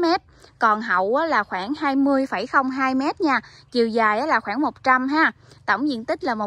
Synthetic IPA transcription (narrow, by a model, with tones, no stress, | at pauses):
mɛ˦˥t̚kɔ˨˩nɦə̰˧˨wʔaː˨˦laː˨˩xwaː˧˩ŋhaː˧jmɨ˧əjfə˧˩jxə˧wŋ͡mɦaː˧jmɛ˦˥t̚ɲaː˧t͡ɕi˨˩əwzaː˨˩jʔaː˨˦laː˨˩xwaː˧˩ŋmo˨˩t̚t͡ɕa˧mɦaː˧ | t̪ə̰˧˩wŋ͡mzḭ˧˨nt̪ï˦˥k̟̚laː˨˩mo˨˩